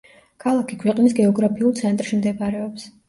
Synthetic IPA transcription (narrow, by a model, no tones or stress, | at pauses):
kʰalˠakʰikʰwɛqʼnisɡɛɔɡɾapʰiulˠt̪sʰɛnt̪ʼɾʃimd̪ɛpaɾɛɔps